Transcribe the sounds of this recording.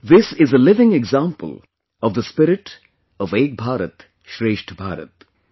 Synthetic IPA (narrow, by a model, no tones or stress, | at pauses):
ðɪsɪzəlɪʋɪ̃ŋɪɡzãːmpə̰lˠ | ɔvd̪əspɪɾɪʈ | ɔʋeːk̚bʱaːɾət̪ | ʃɾeːʃʈbʱa̰ːɾə̰t̪